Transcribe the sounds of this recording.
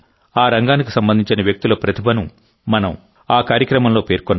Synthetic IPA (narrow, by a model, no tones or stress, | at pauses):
aːɾɐŋɡaːniki̥sɐmbɐnd̪ʱiɲt͡ʃinɐʋjɐk̚t̪ulɐːpɾɐt̪ʰibɐnu | mɐnɐm | aːkaːɾjɐkɾɐmɐmlo̞ːpe̞ːɾkɔnː